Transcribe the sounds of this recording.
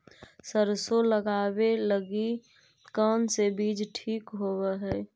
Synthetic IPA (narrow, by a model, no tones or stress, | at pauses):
səɾsoləɡaːweləɡi | kəːnsebiːd͡ʒʈʰiːkɦoːweɦɛː